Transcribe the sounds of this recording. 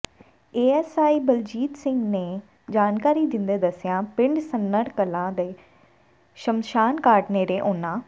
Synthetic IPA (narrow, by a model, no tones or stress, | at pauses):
eːɛːsaːiːbəld͡ʒiːt̪sɪ̃ŋɡneː | d͡ʒaːnkaːɾiːd̪ɪ̃nd̪eːd̪əsɪjãːpɪ̃ɳɖsənːəɾkəlãːd̪eː | ʃəmʃaːnkaːʈneːɾeːʔoːnãː